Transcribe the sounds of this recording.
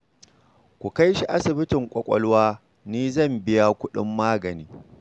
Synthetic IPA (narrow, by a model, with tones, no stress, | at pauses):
kʷu˨ka˦jʃi˦ʔa˦sɪ˨bɪ˦tɪ˨ŋkʷʼɔ˨kʷʼɔ̰˦lwaː˦ | niː˦zɐ˦˨mbɪ˦ja˦kʷʊ˦ɗɪ̰˦mːaː˦ɡɐ˨niː˦